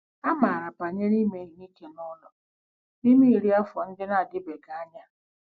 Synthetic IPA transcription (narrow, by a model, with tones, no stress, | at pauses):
a˦ma˨ɾa˨pa˨ɲe˦ni˦me˨ni˦ke˨nɔ˦lɔ˨ | ni˦mi˦i˨ɾi˦a˦fɔ˨n̩˦dɪ˦na˦a˨ɡɪ˦be˨ɡa˨a˦ɲa˦